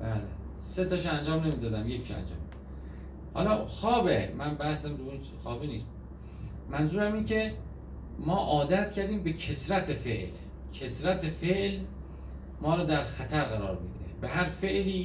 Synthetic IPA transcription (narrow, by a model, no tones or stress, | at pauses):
bæːlḛ | set̪ʰɒːʃænd͡ʒɒːmne̞miːd̪ɒːd̪æmje̞cʰʃæ̰nd͡ʒɒ̰ːmːi̥ | hɒ̰ːlɒːxɒːbemænbæhsæmɾuun | xɒːbiːniːs | mænzuːɾæmiːncʰe̞ | mɒːʔɒːd̪æt̪cʰæɾd̪iːmbe̞cʰesɾæt̪ʰefḛʔl | cʰesɾæt̪ʰefeʔl | mɒːɾɒːd̪æɾxæt̪ʰæɾɣæɾɒːɾmḭːd̪ebeɦæɾfeʔliː